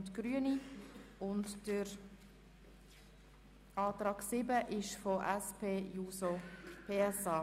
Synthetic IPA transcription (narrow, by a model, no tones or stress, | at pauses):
tɡ̥ɾyəniʊntd̥əɾ | ɑːt̪ɾɑːɡsɪbəʔɪʃfɔʔɛspʰeːjuːsopʰeːɛsɑː